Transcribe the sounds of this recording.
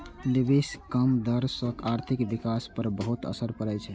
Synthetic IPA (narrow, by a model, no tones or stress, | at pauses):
libiskəmd̪əɾsə̃kaɾt̪ʰikbikaspəɾbəɦut̪ə̰səɾpəɾɛt͡ʃʰɛ